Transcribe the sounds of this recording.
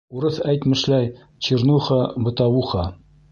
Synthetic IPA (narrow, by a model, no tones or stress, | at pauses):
uɾɤθæjt̪mɘ̆ʃlæj | t͡ɕiɾnuχɑbɤ̆t̪ɑwuχɑ